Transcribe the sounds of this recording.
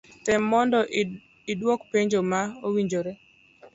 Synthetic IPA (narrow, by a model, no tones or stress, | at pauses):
tɛmːɔndɔʔ | idwokpeɲd͡ʒomaowiɲd͡ʒoɾe